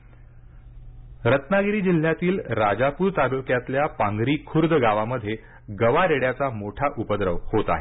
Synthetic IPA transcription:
ɾət̪naɡɾiːd͡ʑil̤jat̪iːlɾad͡zapuːɾt̪aɡokjat̪ljapãŋɡɾiːkʰuɾd̪ʱɡaʋaməd̪ʱːje | ɡəʋaɾeɽjat͡samoʈʰaʔupəd̪ɾəʋhot̪a̰ɦe

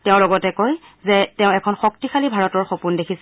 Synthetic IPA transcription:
tɛʊ̃lɔɡɔtɛkoj | zɛtɛʊ̃ɛkʰɔnxɔk̚tixalibʱaɹɔtɔɹxopundekʰis

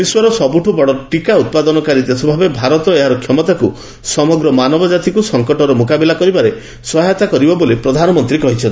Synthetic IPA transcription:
iswɔɾɔsɔbuʈʰubɔɽɔʈikaut̪̚pad̪ɔnɔkaɾit̪esɔbʱabebʱaɾɔt̪ɔɾɔeɦaɾɔkʰjɔmɔt̪aku | sɔmɔɡɾɔmanɔbɔd͡ʒat̪ikusɔŋkɔʈɔɾɔmukabilakɔɾibaɾe | swɔɦɔt̪akɔɾibɔbolipɾɔd̪ʱanɔmɔnt̪ɾikɔɦit͡ʃʰɔnt̪i

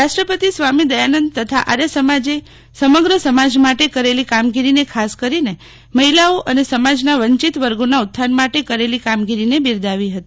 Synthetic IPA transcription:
ɾaʃʈɾəpət̪isʋamid̪əjanənd̪t̪ət̪ʰa̰ʔaɾjəsəmad͡ʒe | səməɡɾəsəmad͡ʒmaʈekəɾelikamɡiɾinekʰaskəɾine | məɦilaoʔənesəmad͡ʒnaʋəɲt͡ʃit̪ʋəɾɡonaut̪ʰːanmaʈekəɾelikamɡiɾinebiɾd̪aʋiɦət̪i

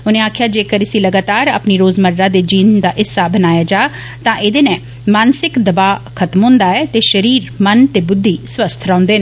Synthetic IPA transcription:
ʊnẽːaːkʰjaːd͡ʒeːkəɾɪsiləɡaːt̪aːɾa̰ːpniɾoːzməɾɾad̪eːd͡ʒiːnd̪aːʔɪsːabənaːjaːd͡ʒaː | t̪ãːʔɪd̪eːnɛ̃ː | maːnsɪkd̪əbaːkʰət̪mɦʊ̃ːnd̪aːɛːt̪eːʃəɾiːɾmənt̪eːbʊd̪ʱːiːsʋəst̪ʰɾãːʊ̃nd̪enː

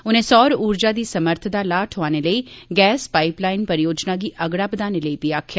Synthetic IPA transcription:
ʊnẽːsɔːɾuːɾd͡ʒaːd̪iːsəməɾt̪ʰd̪aːlaːʈʰɦʊaːneləiːɡɛːspaːɪplaːɪnpəɾjoːd͡ʒnaːɡiːʔəɡɽaːbəd̪aːneləiːpiaːkʰjaː

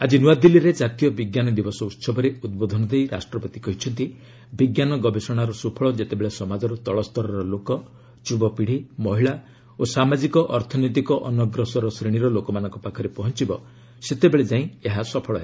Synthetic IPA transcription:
ad͡ʒinuwad̪ilːiɾed͡ʒat̪ijɔbiɡjanɔd̪ibɔsɔut̪sɔbɔɾeud̪̚bod̪ʱɔnɔd̪ejɾa̰sʈɾɔpɔt̪ikɔɦit͡ʃʰɔnt̪i | biɡjanɔɡɔbesɔɽ̃aɾɔsupʰɔɭɔd͡ʒet̪ebeɭesɔmad͡ʒɔɾut̪ɔɭɔst̪ɔɾɔɾɔlokɔ | t͡ʃubɔpiɽ̤imɔɦiɭa | osamad͡ʒikɔʔɔɾt̪ʰɔnɔjt̪ikɔʔɔnɔɡɾɔsɔɾɔsɾeɽ̃iɾɔlokɔmanɔ̃ŋkɔpakʰɔɾepɔɦɔnt͡ʃibɔ | set̪ebeɭed͡ʒaĩeɦasɔpʰɔɭɔɦe

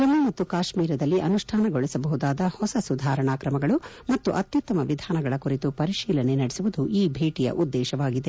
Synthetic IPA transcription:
kunumɐt̪ːukaːʃmiːɾɐd̪ɐlːiʔɐnuʂʈʰaːnɐɡoɭɛsɐbɐɦud̪aːd̪ɐhɔsɐsud̪ʱaːɾɐɳaːkɾɐmɐɡɐɭu | mɐt̪ːuʔɐt̪jut̪ːɐmɐʋid̪ʱaːnɐɡɐɭɐkuɾit̪upɐɾiʃiːlɐne̞nɐɽesiuʋud̪uʔiːbʱeːʈijɐ̰ʔud̪ːɛːʃɐʋaːɡid̪e

